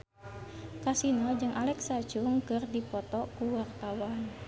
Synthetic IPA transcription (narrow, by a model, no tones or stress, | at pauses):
kasinɔd͡ʒɨŋʔalɛksat͡ʃuŋkɨrdipɔt̪ɔkuwart̪awan